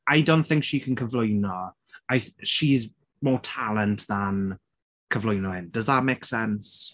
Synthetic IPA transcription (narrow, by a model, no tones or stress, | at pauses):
ajdõnʔθɪ̃ŋkʃikʰə̃nkʰəvlʊjnɔ | ajʃiɪz | mɔːtʰalˠə̃ntðən | kʰəvlʊjnɔhɪnd̥əzðət̚meɪksɛns